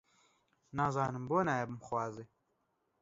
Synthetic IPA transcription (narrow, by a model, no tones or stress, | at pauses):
naːzɑːnɨmboːnajɛbɨmxwɑːziː